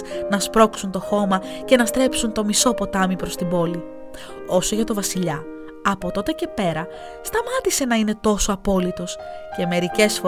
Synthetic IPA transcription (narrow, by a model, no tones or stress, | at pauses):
nɐspɾo̞ksunt̪o̞xo̞mɐce̞nɐst̪ɾe̞psunt̪o̞miso̞po̞t̪ɐmipɾo̞st̪ibo̞li | o̞so̞ʝɐt̪o̞vɐsiʎɐ | ɐpo̞t̪o̞t̪e̞ce̞pe̞ɾɐ | st̪ɐmɐt̪ise̞nɐine̞t̪o̞soɐpo̞lit̪o̞sce̞me̞ɾice̞sfo̞